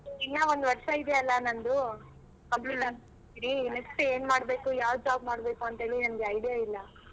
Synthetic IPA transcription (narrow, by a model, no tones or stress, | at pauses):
iŋːaond̪uʋɐɾʂɐid̪ɛɐlːɐnɐnd̪u | kɐmpluːʈɐ | iɾineksʈeːnmaːɽbe̞ːkujaːʋd͡ʒaːb̚maːɽbe̞ːkuɐnt̪ɦe̞ːɭlinɐnɡeɐjɽijailːɐ